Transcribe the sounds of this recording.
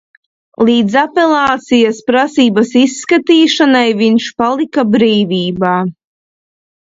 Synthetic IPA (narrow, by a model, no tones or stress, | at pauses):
lˠiːd̪zapelˠaːt̪sijaspɾasiːbasisːkat̪iːʃanajviɲʃpalˠikabɾiːviːbaː